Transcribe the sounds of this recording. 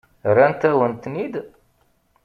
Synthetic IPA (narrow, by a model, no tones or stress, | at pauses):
ɾænt̪æwənt̪nid̪